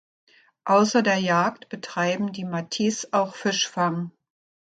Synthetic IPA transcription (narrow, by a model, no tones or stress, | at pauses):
ʔaʊsɐdeːɐjaːk̚tb̥ətʁ̥aɪbm̩diːmatʰiːsʔaʊxfɪʃfaŋ